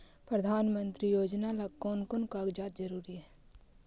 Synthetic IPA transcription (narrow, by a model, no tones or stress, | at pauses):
pɾəd̪ʱaːnmə̃nt̪ɾijoːd͡ʒnalakoːnkʊnkaːɡd͡ʒaːt̪̚d͡ʒəɾuːɾiɦɛː